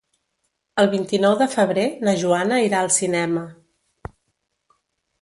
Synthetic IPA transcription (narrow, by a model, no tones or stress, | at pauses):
əlˠβint̪inɔwðəfəβ̞ɾenəʒuanəiɾaəlˠsinɛmə